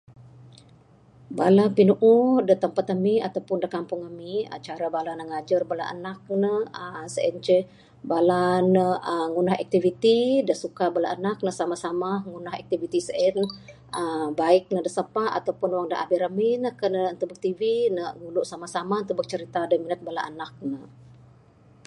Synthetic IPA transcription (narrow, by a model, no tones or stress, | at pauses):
balapinuʔudət̪əmpat̪əmiat̪awpʊndəkampʊŋamia̰t͡ʃaɾabalanəŋad͡ʒərbala̰ʔə̰nak̚nəəsəʔɛnt͡ʃə | balanəəŋunahɛ̰k̚t̪ivit̪idəsukabala̰ʔənak̚nəsamasamaŋunahɛ̰k̚t̪ivit̪isəʔɛn | əbaɪk̚nədəsəpaa̰t̪awpʊnwaŋdəʔa̰biɾəminəhkənəənt̪ubək̚t̪ivinəɡuluʔsamasamant̪ubək̚t͡ʃəɾit̪adəminət̪̚bala̰ʔənak̚nə